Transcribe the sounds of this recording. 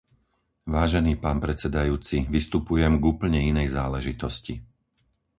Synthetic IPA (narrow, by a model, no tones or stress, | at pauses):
ʋaːʒɛniːpaːnpɾɛt͡sɛd̪ajuːt͡siʋist̪upujɛmɡuːpl̩ɲɛinɛjzaːlɛʒit̪ɔsci